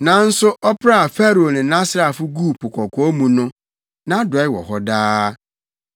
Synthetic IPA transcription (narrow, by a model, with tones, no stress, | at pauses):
nã˨n̩˦sʊ˦ʔɔ˦pʰɾa˦a˨fɛ˦ɾo˨nɪ̃˨nã˦sɾa˨fʊ˦ɡuː˦˨pʰʊ˨kʰʷɔ˨kʰɔ˨˦mũ˨nʊ̃˦ | nã˦dɔ˨˦ɪ˦wɔ̰˨ɦɔ˦daː˦